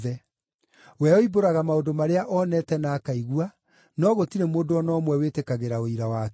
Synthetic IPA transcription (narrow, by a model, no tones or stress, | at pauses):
ɛ | wɛɔiboɾaɣamaodomaɾeaʔɔnɛtɛnaːkaiɣua | nɔɣotiɾemoːndoɔnɔːmwɛwetekaɣeɾaoiɾawaːk